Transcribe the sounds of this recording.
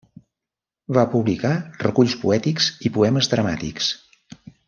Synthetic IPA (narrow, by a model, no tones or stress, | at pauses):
βapuβlikarəkuʎspuɛt̪ikzipuɛməzðɾəmat̪ḭks